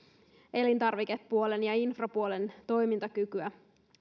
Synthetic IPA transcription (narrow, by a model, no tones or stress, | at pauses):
e̞lint̪ɑrʋikepːuolenjɑinfrɑpuole̞nt̪o̞jmint̪ɑkykyæ